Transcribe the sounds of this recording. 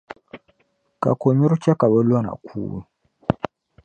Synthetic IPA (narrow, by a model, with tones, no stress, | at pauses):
ka̰˨ko˨ɲu˦ɾu˦t͡ʃa˦ka˨βə˦lwa˦na̰˨kʰṵː˦ju˦˨